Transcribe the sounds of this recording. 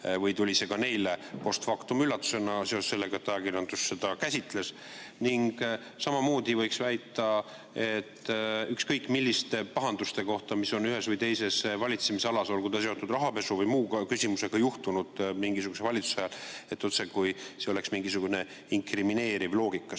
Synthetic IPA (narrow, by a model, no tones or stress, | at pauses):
vɤjt̪ulʲise̞ɡɑne̞jle̞po̞st̪fɑkt̪umylːɑt̪ːˑu̥se̞nɑseosse̞lːe̞ɡ̥ɑet̪ːɑjɑkiɾjɑnd̪usːe̞d̪ɑkæsʲit̪le̞s | niŋɡ̥ | sɑmɑmo̞ːd̪̥ʲivɤjksvæjt̪ːˑɑ | e̞t̪ːykskɤjkːˑmilʲːist̪epɑɦɑnd̪ust̪e̞ko̞ht̪ɑmiso̞nyɦe̞svɤjt̪e̞jse̞svɑlʲit̪semise̞ɑlɑso̞lkujt̪ɑs̬e̞o̞t̪ːˑud̪rɑɦɑpe̞suvɤjmuːɡɑkysʲimuse̞ɡ̥ɑjuht̪unud̪̥miŋɡisuɡ̥use̞vɑlʲit̪su̥sɑjɑle̞t̪ːˑo̞t̪sekujseo̞le̞ksmiŋɡisuɡ̥une̞ | iŋkrimine̞ːɾivlo̞ːɡ̥ikːˑɑ